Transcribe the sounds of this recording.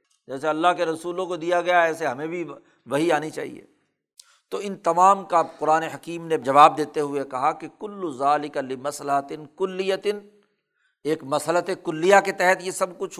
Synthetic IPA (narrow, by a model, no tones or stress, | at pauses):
d͡ʒɛːs̬eɐlːaɦkeɾɐsuːlõkod̪ijaɡɐjaɛːseɦɐmẽbʱi | ʋɐɦiaːnit͡ʃa̰ːɦḭjḛː | t̪oɪnt̪ɐmaːmkaqʊɾaːneɦɐkiːmned͡ʒɐʋaːb̚d̪eːt̪eɦʊekɐɦakekʊlːʊzaːlɪkalɪmɐslɐɦɐt̪ɪnkʊlːɪjət̪ɪn | eːkmɐslət̪ekʊlːijaket̪ɛɦɛt̪jesɐb̚kʊt͡ʃʰ